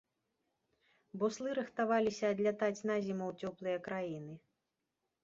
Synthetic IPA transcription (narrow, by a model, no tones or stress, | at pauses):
bɔslˠɨɾɨxt̪avalʲisʲɐːd̪lʲat̪at͡sʲnazʲimɐwt͡sʲɔplˠɨjɐkɾajinɨ